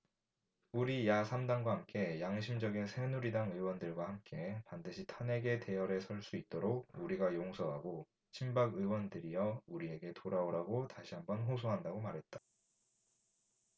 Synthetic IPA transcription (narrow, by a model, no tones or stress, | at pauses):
uɾijasʰamdaŋɡwaɦamk͈e̞jaŋɕʰimd͡ʑʌɡinsʰenuɾidaŋɯwʌndɯɭɡwahamk͈e̞pandɯɕʰitʰane̞ɡe̞te̞jʌɾe̞sʰʌɭs͈uit̚t͈oɾoɡ̚uɾiɡajoŋsʰʌɦaɡo | t͡ɕʰimbaɡɯwʌndɯɾijʌuɾie̞ɡe̞tʰoɾaoɾaɡotaɕʰiɦambʌnɦosʰoɦandaɡomaɾɦe̞t̚t͈ḁ